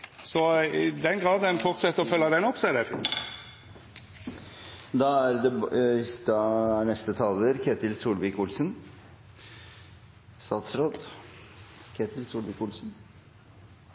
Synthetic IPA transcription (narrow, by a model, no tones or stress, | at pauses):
sɔɪd̪ɛnɡɾɑːd̪ɛnfɔʁt̪sɛt̪ːəɔfœlːɑd̪ɛnɔpsæd̪ɛ | d̪ɑæɾd̪ɛd̪ɑænɛst̪ət̪ʰɑːləɾkʰeːt̪ɪlsuːlʋɪkʊlsən | st̪ɑːt̪sɾoːd̪ | kʰeːt̪ʰɪlsuːlʋɪkʊlsn